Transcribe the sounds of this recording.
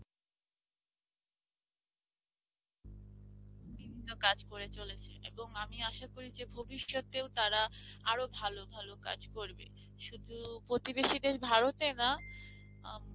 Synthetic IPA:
bibʱinːokad͡ʑkoɾet͡ɕolet͡ɕʰḛʔḛboŋamiaʃakoɾid͡ʑebʱobiʃːot̪ewt̪aɾa | aɾobʱalobʱaloka̰d͡ʑkoɾbḛ | ʃud̪ʱupɾot̪ibeʃid̪eʃbʱaɾot̪ena

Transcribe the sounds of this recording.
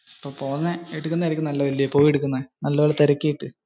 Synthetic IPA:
ɐpːoːpoːɲːɐeɽukːunːɐɐɾikʲːɨmnɐlːɐʋilːɐpːo̞ːjeɽukːunːɐðɨnɐlːɐʋeːɭɐt̪ɐɾɐkʲːijiʈːɨ

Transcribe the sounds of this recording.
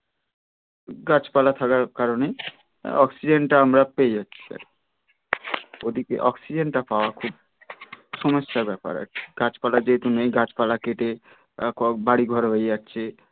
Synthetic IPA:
ɡat͡ɕpalat̪ʰakaɾkaɾone | ɔksid͡ʑenʈaamɾapejaːɕʰi̥sa̰ɾ | od̪ikḛʔɔksid͡ʑeɳʈapaoakʰub̚ | ʃɔmoʃːabɛpa̰ɾa̰iɡ̥at͡ɕpalad͡ʑeɦet̪unejɡat͡ɕpalakeʈe | kɔbaɽiɡʱɔɾɦoeaɕʰe

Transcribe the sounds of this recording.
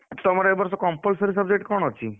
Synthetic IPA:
t̪ɔmaɾaebəɾsɔkɔmpəlsəɾis̬əb̚d͡ʑek̚ʈkɔɾɳ̃ɔt͡ʃʰi

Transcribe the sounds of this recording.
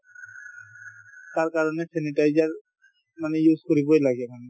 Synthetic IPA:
t̪aɹkaɹɔnɛsenitajzaɹ | manɛjuzkoɹibojlaɡɛman

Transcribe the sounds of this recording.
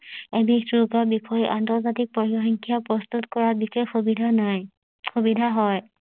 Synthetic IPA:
ebituɡɔɹbixʰɔjiʔantɔzatik̚pɔiɔxiŋkʰijapɹɔst̪utkɔɹabixexbidanaj | xubidʱaɦɔj

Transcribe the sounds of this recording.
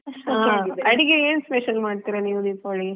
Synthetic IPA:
ɐɐaeːd̪ɐɽiɡeeːnspeʃɐlmaːɖt̪iɾɐniːʋud̪iːpaːɭi

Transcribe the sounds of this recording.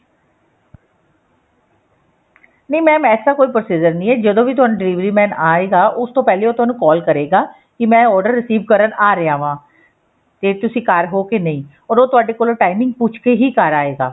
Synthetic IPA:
nəĩːmɛ̃ːmɛːsaːkoːiːpɾosiːd͡ʒəɾnĩːɛːd͡ʒəd̪õːʋiːt̪ʊaːnũɖɪliːʋɾiːmɛ̃ːnaːeːɡaːʔʊst̪õːpɛːleːoːt̪ʊɦaːnũːkɔːlkəɾeːɡaː | kɪmɛ̃ːɔːɾɖəɾːɪsiːʋkəɾənaːɾɪjaːʋãː | t̪eːt̪ʊsĩːkaːɾɦoːkenəĩː | ɔːɾoːt̪ʊaːɖeːkoːloʈaːɪmɪ̃ŋɡ̚puːt͡ʃʰkeɦiːkaɾaːeːɡaː

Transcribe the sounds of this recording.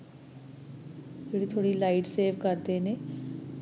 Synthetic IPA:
eɽit̪ʰoɽilaɪʈseːʋkɐɾt̪ene

